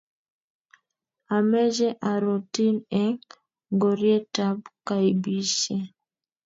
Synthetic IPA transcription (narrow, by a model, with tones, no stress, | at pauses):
a˨mɛ˦d͡ʒɛ˦ʔa˨ɾo˨ti˦nɛ˦ŋ | ŋɡo˨ɾje˦ta˦bka˨i˨bi˦ʃe˦